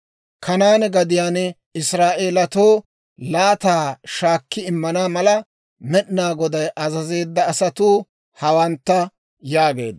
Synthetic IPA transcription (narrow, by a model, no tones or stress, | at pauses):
kʰɐnaːnɡɐd̪ɪjaːn | ɪsɾaːʔe̞ːlɐt̪o̞ː | laːt̪aːʃaːkːɪɪmːɐnaːmɐlɐ | mɛɗnaːɡɔd̪ɐjʔɐzɐze̞ːd̪ːɐːsɐt̪uː | hɐwɐnt̪ːɐ | jaːɡe̞ːd̪